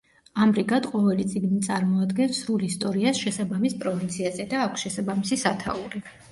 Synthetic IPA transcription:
amɾiɡad̪qʼɔvɛlit̪sʼiɡnit̪sʼaɾmɔad̪ɡɛnsɾulist̪ʼɔɾiasʃɛsabamispʼɾɔvint̪sʰiazɛd̪aːkʷʰsʃɛsabamisisat̪ʰa̰uɾi

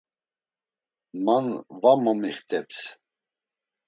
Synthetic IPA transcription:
manvamamiχt̪ʰʼɛps

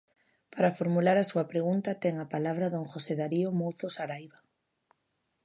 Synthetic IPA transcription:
paɾafoɾmulaɾasuapɾeɣ̞unt̪at̪ɛŋapalaβ̞ɾaðoŋxoseðaɾiomowθosaɾajβa

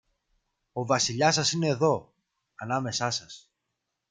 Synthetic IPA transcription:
o̞vɐsiʎɐsɐsine̞ːðo̞ | ɐnɐme̞sɐsɐs

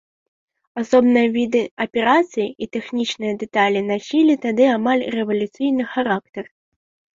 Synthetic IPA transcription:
asɔbnɨjɐvʲid̪ɨɐpʲɛɾat̪sɨjiit̪ɛxnʲit͡ʃnɨjɐd̪ɛt̪alʲinasʲilʲit̪ad̪ɨamalʲrɛvɐlʲut̪sɨjnɨxaɾakt̪ɛr

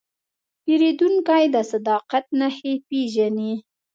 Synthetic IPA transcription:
peɾed̪uŋkajd̪əsad̪ɑqat̪̚nahepeʒani

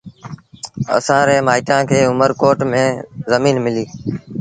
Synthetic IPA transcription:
ə̰sãːɾẽːmaːiʈãːkʰeːʊməɾkoːʈmẽːzəmiːnmɪliː

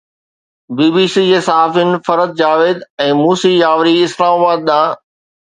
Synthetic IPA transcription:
biːbiːsiːd͡ʑeːsaɦaːfijnɪ̆fɐɾəd̪̚d͡ʑaːʋeːd̪ɛ̃ːmuːsiːjaːʋɾiɪslaːmaːbaːd̪̚ɗãː

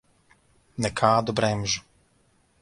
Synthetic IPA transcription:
nɛkʰaːd̪ɔbɾɛmʒu

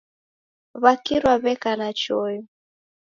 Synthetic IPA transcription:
βakiɾwaβɛkanat͡ʃɔjɔ

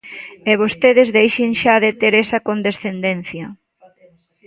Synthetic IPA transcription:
eβ̞ost̪eðezðejʃeŋʃaðet̪eɾɛsɐkond̪esθend̪enθjɐ

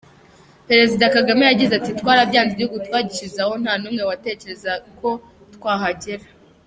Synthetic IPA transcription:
pe̞ɾe̞zidakaɡamejaɟizatitwaːɾabɟaːnzibihuɡutwaːɟiʃizaho̞n̥haːnuːmŋe̞wate̞ːce̞ɾe̞zakʰo̞ | twaːɦaɟeɾa

